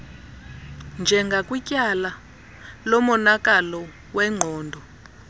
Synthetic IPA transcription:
nd͡ʒʱɛŋɡʱakʼwicʼala | lɔmɔnakʼalɔ | wɛŋ͡ǃʱɔːndʱɔ

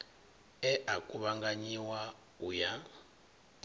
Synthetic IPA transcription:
ɛʔakʼuβaŋɡaɲiwa | uja

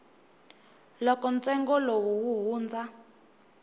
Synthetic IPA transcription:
lɔkɔnt͡sɛŋɡɔlowuwuɦuːnd͡za

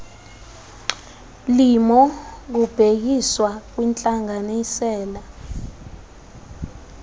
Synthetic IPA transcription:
limɔk̬ub̥ʱek̬iswak̬wint͡ɬʼaŋanisɛːla

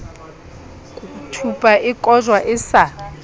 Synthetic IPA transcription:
kʼutʰupʼaʔɪkʼɔʒwaʔɪsa

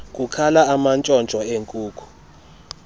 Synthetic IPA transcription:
kʼukʰalaamant͡ʃʼɔnt͡ʃʼɔeŋkʼuːkʰu̥

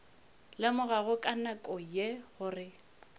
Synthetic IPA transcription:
lɪmʊɣaɣʊkʼanakʼɔjeɣʊrɪ

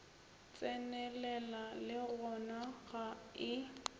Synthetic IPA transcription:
t͡sʼɛnɛlɛlalɪɣɔnaɣaɪ

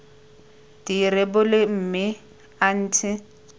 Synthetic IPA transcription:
d̥iɾɪbʊlɪm̩ːmɪ | an̩ːtʰɪ

